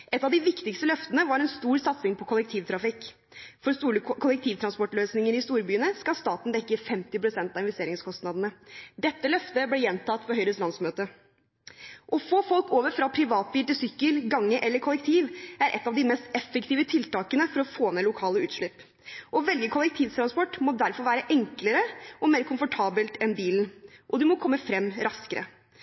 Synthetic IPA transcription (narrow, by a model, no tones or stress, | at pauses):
ʔɛt̪ːɑʋd̪ɪʋɪkt̪ɪkst̪əlœft̪ənəʋɑɾɛnst̪uːɾsɑt̪sɪŋpʰɔkʰʊlɛkt̪ʰiːʋt̪ʰɾɑfɪkː | fɔɾst̪uːɾəkʰʊlɛk̚t̪ʰiːʋt̪ʰɾɑnspɔʈløːsnɪŋəɾɪst̪uːɾbyːənəskɑst̪ɑːt̪n̩d̪ɛkːəfɛmt̪ɪpɾʊsɛnt̪ɑːʋɪnʋɛst̪eːɾɪŋskʰɔst̪nɑd̪ən̩əd̪ɛt̪ːəlœft̪əblɛjɛnt̪ʰɑt̪ːpʰɔhœʏɾəslɑnsmøːt̪ə | ʔɔfoːfɔlkoːʋəɾfɾɑpʰɾɪʋɑːt̪̚biːlt̪ɪlsʏkːəlɡɑŋːəʔɛlːəɾkʰɔlːɛk̚t̪ʰiːʋæɾʔɛ̰t̪ːɑːʋd̪ɪmɛst̪ɛfːəkt̪ʰiːʋət̪ʰɪlt̪ɑːkənəfɔɾɔfoːmɛlʊkʰɑːləʉːt̪ʂɭʏp | ʔɔʋɛlɡəkʰɔlɛk̚t̪ʰiːʋt̪ʰɾɑnspɔʈːmɔd̪æɾfɔɾʋæːɾəʔɛŋkləɾəɔmeːɾkʰʊmfɔʈʰɑːbəlt̪ɛnbiːln̩ʔɔd̪ʉmɔkʰɔmːəfɾɛmːɾɑskəɾʔə̰